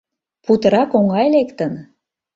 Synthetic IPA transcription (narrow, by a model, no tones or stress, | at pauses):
put̪ə̆ɾɑkoŋɑjlekt̪ən